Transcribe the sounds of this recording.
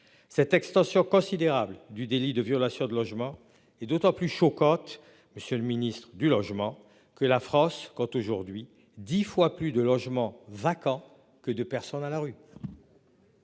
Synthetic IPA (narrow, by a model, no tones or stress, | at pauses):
sɛt̪ɛkst̪ɑ̃sjɔ̃kɔ̃sid̪eʁabld̪yd̪elid̪əvjɔlasjɔ̃d̪əlɔʒmɑ̃ | ɛd̪ot̪ɑ̃plyʃɔkɑ̃t̪ | məsjələminist̪χəd̪ylɔʒmɑ̃ | kəlafχɑ̃skɑ̃t̪oʒuʁd̪ɥi | d̪ifwaplyd̪əlɔʒmɑ̃vakɑ̃ | kəd̪əpɛʁsɔnalaʁy